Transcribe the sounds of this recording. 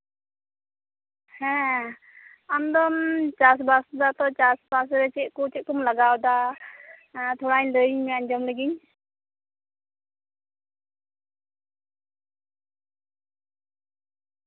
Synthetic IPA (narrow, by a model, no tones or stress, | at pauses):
hɛ̃ | amd̪ɔnt͡ʃas̬basdat̪ɔt͡ʃasbas̬ɾɛt͡ʃɛʔ̚kut͡ʃɛʔ̚kumlaɡawda | t̪ʰɔɾaɲd̪ɯɲmiaɲd͡ʒɔmlɯɡiɲ